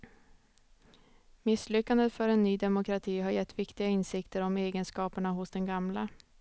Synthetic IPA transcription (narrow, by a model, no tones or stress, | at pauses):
mɪsːlʏkːand̪ət̪fœɾɛnːyːd̪ɛmʊkʰɾat̪ʰiːɦaɾjɛt̪ːvɪkt̪ɪɡaɪnsɪkt̪əɾɔmeːɡənskɑːpəɳaɦʊsd̪ɛnɡamla